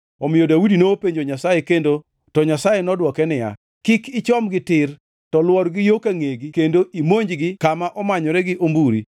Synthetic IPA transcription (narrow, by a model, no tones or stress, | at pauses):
ɔmɪjodawudinopeɲd͡ʒoɲasajekendo | tɔɲasajenɔdwɔkɛnɪja̰ | kɪkɪt͡ʃɔmɡɪtɪr | tɔlwɔɾɡɪjokaŋeɡikendoʔimoɲd͡ʒɡɪkamaʔɔmaɲɔɾɛɡɪʔombuɾḭ